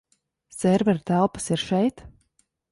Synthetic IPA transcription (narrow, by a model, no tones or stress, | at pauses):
sɛɾvɛɾt̪ælˠpə̥siɾʃɛjt̪